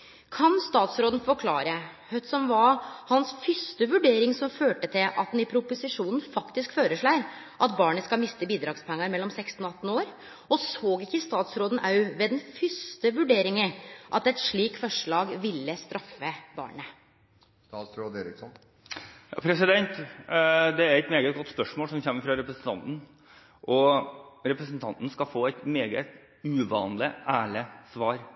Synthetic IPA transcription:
kʰɑnst̪ɑːt̪sɾoːd̪n̩fɔɾkʰlɑːɾəhœt̪sɔmʋɑɾhɑnsfʏst̪əʋʉɖeːɾɪŋsɔmføːʈət̪ʰɪlʔɑ̰t̪̚d̪ɛnɪpʰɾʊpʊsɪʂuːnn̩fɑkt̪ɪskføːɾəʂɭæɪɾ | ʔɑt̪bɑːɳəskɑlmɪst̪əbiːd̪ɾɑːɡspʰɛŋːəɾmɛlːɔmsɛkst̪n̩ɔɑt̪ːn̩oːɾ | ɔsoːɡɪkːəst̪ɑːt̪sɾoːd̪n̩ʔɑʉʋɛːd̪ɛnfʏst̪əʋʉɖeːɾɪŋəʔɑt̪ɛt̪ʂɭiːkfɔʂɭɑːɡʋɪlːəst̪ɾʔɑfːəbɑ̰ːɳə | st̪ɑːt̪sɾoːd̪eɾɪksɔn | jɑ̰pʰɾɛsɪd̪ɛnt̪ | d̪ɛæɾɛɪt̪meːɡət̪̚ɡɔt̪ːspœʂmoːlsɔmçɛmːəɾfɾɑɾɛpɾəsn̩t̪ʰɑnt̪n̩ | ʔɔɾɛpɾəsn̩t̪ʰɑnt̪n̩skɑfoːæɪt̪meːɡə̰t̪ | ʉʋɑ̰ːnlɪæːɭəsʋɑːɾ

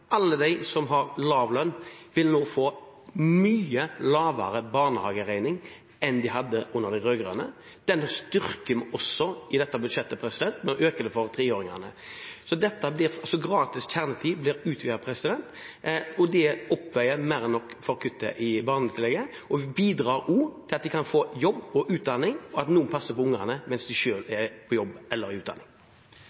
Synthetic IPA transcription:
ʔɑlːəd̪æɪsɔmɦɑʁlɑːʋlœnːʋɪlnoːfoː | myːəlɑːʋɑ̰ɾəbɑːʁnəhɑːɡəʁæɪnɪŋ | ɛnd̪ɪɦɑd̪ːəʔʊnːəʁd̪æɪʁøːɡʁœ̰nə̰ | d̪̥ɛnːɔst̪ʏɾkəmɔsːɔɪd̪ɛt̪ːəbʉd̪ʂɛt̪ːəpʰɾɛsɪd̪ɛnt̪mɛnɔʔøːkəd̪ɛfɔʁt̪ʰʁeːoːɾɪŋɑ̰nə̰sɔd̪ɛt̪ːəblɪɾɑlsɔɡʁɑːt̪ɪst̪ʰæʁnət̪ʰiːblɪɾʉːt̪ʰʋiːəpʰɾɛsɪd̪ɛnt̪ | ɔd̪ɛɔpːʋɛɪəmæɾɛnːɔkːfɔɾkʰʉt̪ːə̰ʔɪbɑːʁnət̪ɪlːɛɡə | ʔɔʋɪbiːd̪ɾɑːɾuːt̪ʰɪlɑt̪̚d̪ɪkʰɑnfoːjɔbːɔʔʉːt̪̚d̪ɑnɪŋɔɑt̪nuːənpʰɑsːəpɔʊŋːəʁnəmɛnsd̪ɪʃøːlɛpʰɔjɔbʔɛlːəɾɪʉːt̪d̪ɑnɪŋ

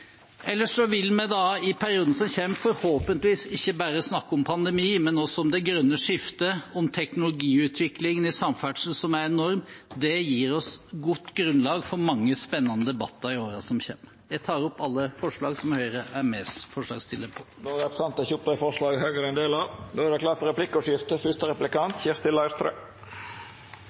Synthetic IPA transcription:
ʔɛlːəʂɔʋɪlmɛd̪ɑɪpʰæɾɪuːd̪n̩sɔmçeːmfɔɾhoːpənt̪ʋiːsɪçːəbæɾəsnɑkːɔmpʰɑnd̪ɛmiːmɛnɔsɔɔmd̪ɛɡɾœnːəʂɪft̪əɔmt̪ʰɛknʊlʊɡiːʉːt̪ʰʋɪklɪŋənɪsɑmfæʈʂn̩sɔmæɾɛnɔɾmd̪ɛjiːɾɔsɡʊt̪ːɡɾʉnlɑːɡfɔɾmɑŋːəspɛnːɑnəd̪ɛbɑt̪ːəɾɪoːɾɑsɔmçḛːməɾjæɪt̪ʰɑːɾɔpːɑlːəfɔʂɭɑːɡsɔmhœʏɾəʔæɾmeːsfɔʂlɑ̰ːɡst̪ʰɪlːəɾpʰɔ̥ | noːɾɛɾsɑnt̪ɛçup̪əfɔʂɭɑːɡhœɡəɾɛnd̪eːlɑʋd̪oːæd̪ɛkʰlɑːt̪fɔɾɛplɪkːʊʂɪft̪əfʏst̪əɾɛplɪkɑnt̪çɛɾst̪ɪlːɑɪst̪ʰɾœ̰ʏ

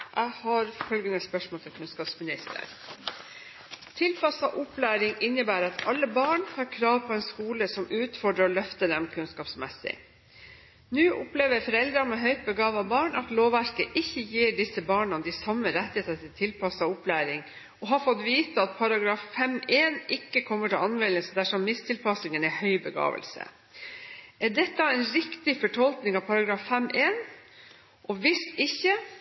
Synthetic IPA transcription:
ʔæɪhɑɾfœlɡənəspœʂmoːlt̪ʰɪlkʰʉnskɑːpsmɪnɪst̪ʰə̰ɾ | t̪ʰɪlpʰɑsɑʔʊplæːɾɪŋɪnːəbæːɾɑt̪ʰɑlːəbɑːɳhɑɾkʰɾɑːʋpʰɔɛnskuːləsɔmʉːt̪fɔɖɾəɔlœft̪əɖɛmkʰʉnskɑːpsmɛsɪ̰ | nʉːʔʊpleːʋəfɔɾɛld̪ɾɑmɛɦœʏt̪̚bəɡɑːʋɑbɑːɳɑt̪loːʋæɾkəʔɪçːəjiːɖɪsəbɑːɳɑd̪ɪsɑmːəɾɛt̪ːɪheːt̪ɑt̪ʰɪlt̪ʰɪlpʰɑsɑʊplæːɾɪŋ | ɔɦɑɾfɔt̪ʋiːt̪əɑt̪̚pʰɑɾɑɡɾɑːffɛmeːnɪkːəkʰɔmːəʈɪlɑnmɛləsd̪æʂɔmːɪst̪ʰɪlpɑsnɪŋənɛhœʏbəɡɑ̰ːʋə̰lsə̰ | ʔæɖɛt̪ːɑɛnɾɪkt̪ɪfɔʈʰɔlknɪŋɑʋpʰɑɾɑɡɾɑːffɛmʔeːn | ʔɔʋɪst̪ɪçːə

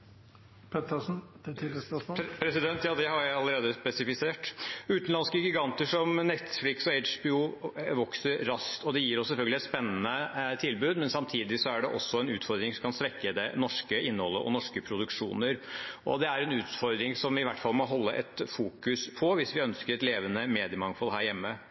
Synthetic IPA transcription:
pʰɛt̪ə | pʰɾɛsɪd̪ɛnt̪jɑːd̪ɛhɑɾjæɪɑlːəɾeːd̪əspɛsɪfɪseːʈʉːt̪nlɑnskəɡɪɡɑnt̪əʂɔmnɛt̪flɪksɔeɪʂbɪuʋɔksəɾɾɑskt̪ɔd̪ɛjiːɾɔsːɛlfœlɡəlɪɛt̪spɛnːənət̪ʰɪlbʉːd̪mɛnsɑmt̪ʰiːd̪ɪsɔæɖɛʔɔ̰sːɔɛnʉːt̪fɔɾd̪ɾɪŋsɔmkɑnsʋɛkːəd̪ɛnɔʂkəʔɪnːəhɔlːəʔɔ̰nɔʂkəpʰɾʊd̪ʉkʂṵːnəɾʔɔ̰d̪ɛæɾɛnʉːt̪fɔɾd̪ɾɪŋsɔmʋɪʋæʈːfɑlmɔɦɔlːəʔɛt̪fuːkʉspʰɔʋɪsʋɪœnskəɾɛt̪leːʋənəmeːd̪ɪəmɑŋfɔlɦæːɾjɛmːə

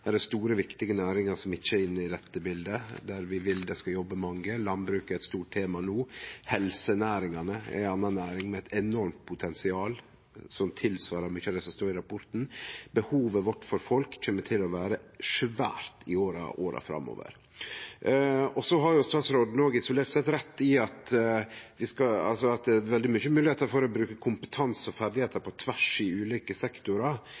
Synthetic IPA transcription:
d̪æɖɛst̪uːɾəʋɪkt̪ɪɡənæːɾɪŋɑɾsɔmɪçːəæɪnːəɪd̪ɛt̪ːəbɪld̪əd̪æɾʋɪʋɪld̪ɛskɑjɔbːəmɑŋːəlɑnbɾʉːkɛɪt̪st̪uːʈ̚t̪ʰeːmɑnuːhɛlsənæːɾɪŋɑnəæ̰ɪɑnːɑnːæːɾɪŋmɛɛt̪ɛnɔɾmt̪̚pʰʊt̪ʰɛnsɪɑːl | sɔmt̪ʰɪlsʋɑːɾəɾmyçɑd̪ɛsɔmst̪oːɾɪɾɑpʰɔɾt̪n̩bəhuːʋəʋɔʈːfɔɾfɔlkc͡çʰøːmːəʈʰɪlɔʋæːɾəʂʋæ̰ːɾt̪ɪoːɾɑ̰ʔo̰ːɾɑ̰fɾɑ̰mːo̰ːʋə̰ɾ | ɔsɔɦɑɾjʊst̪ɑːt̪sɾoːd̪noːɡəɪsʊleːɾʈt̪sɛt̪ɾɛt̪ːɪɑt̪ | ʋɪskɑɑ̰lsɔɑt̪̚d̪ɛʋɛld̪ɪmyçəmʉːlɪheːt̪əɾfɔɾɔbɾʉːkəkʰʊmpə̥t̪ʰɑnsɔfæɾd̪ɪheːt̪əɾpʰɔt̪ʰʋæʂɪʉːliːkəsɛkt̪ʊɾɑ

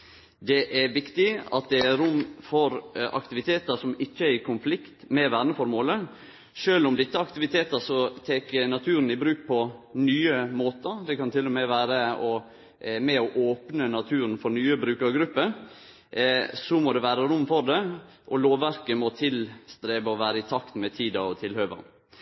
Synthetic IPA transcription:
d̪ɛʔæɾʋɪkt̪ɪɑ̰t̪̚d̪ɛæɾʊmːfɔɾɑ̰kt̪ɪʋɪt̪ʰeːt̪əʂɔmɪçːəæɾɪkʰʊnflɪkt̪mɛʋæːɾnəfɔɾmoːlə | ʂøːlʊmd̪ɪt̪ːəɑkt̪ɪʋɪt̪ʰeːt̪əsɔt̪ʰeːkənɑt̪ʰʉːɾən̩ɪbɾʉːk̚pʰɔnyːəmoːt̪əɾd̪ɛkɑnt̪ʰɪlːɔmɛʋæːɾəɔ | mɛɔʔoːpnənɑt̪ʰʉːɾənfɔɾnyːəbɾʉːkəɾɡɾʉpːə | sɔmɔd̪ɛʋæːɾəɾʊmːfɔɾd̪ɛʔɔloːʋːæɾkəmɔt̪ʰɪlst̪ɾeːbəɔʋæːɾəɪt̪ʰɑkt̪mɛt̪ʰiːd̪ɑɔt̪ʰɪlhøːʋə̰n

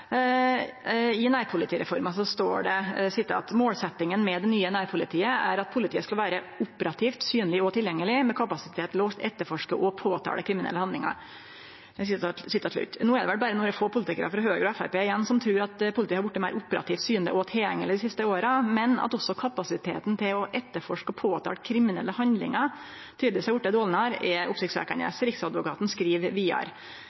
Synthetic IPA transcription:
ɪnæːɾpʰʊlɪt̪iːɾɛ̰fɔɾmɑsɔst̪o̰ːɖɛsɪt̪ːəɑ̰t̪moːlsɛt̪ːɪŋənmɛd̪ɛnyːənæːɾpʰʊlɪt̪ʰiːəæ̰ɾɑt̪̚pʰʊlɪt̪ʰiːəskɑlʋæːɾə | ʊpəɾɑt̪ʰiːft̪syːnlɪɔt̪ʰɪljɛŋːəlɪmɛkʰɑpɑsɪt̪ʰeːt̪loːst̪ɛt̪ːəɾfɔʂkəʔɔpʰoːt̪ʰɑ̰ːɖɛkʰɾɪmɪnɛ̰lːəhɑnd̪lɪŋɑ̰ɾ | ɛsɪsɪt̪ːɑɭʉ̰t̪ːnuːɛɾd̪ɛʋɛl̚bɑːɾənuːɾɛfoːpʰʊlɪt̪ɪkəɾɑ̰fɾɑɦøːɡəɾɔɛfæɾpeːɪjɛnːsɔmt̪ʰɾʉːɾɑt̪pʰʊlt̪iːhɑɾʋʊʈːəmæɪɾʔʊpːəɾʔɑ̰t̪iːft̪syːənd̪ə̰ʔɔt̪ʰɛɛ̰ŋːəlɪd̪ɪsɪst̪əoːɾəmɛnɑ̰t̪ɔsːɔkʰɑpɑsɪt̪ʰḛːt̪n̩t̪ʰɪlɔʔɛt̪ːəɾfɔʂkəɔpʰoːt̪ʰɑ̰kʰɾɪmɪnɛ̰lːəhɑnd̪lɪ̰ŋɑ | t̪ʰyːd̪ʋɪːsæɪʋʊʈːɛd̪oːlnəhɑɾɛʔʊpsɪkt̪sʋæ̰ːkæɳə̰sɾɪksɑd̪ʋʊkɑːt̪n̩skɾiːʋʋiːɑ̰ɾ

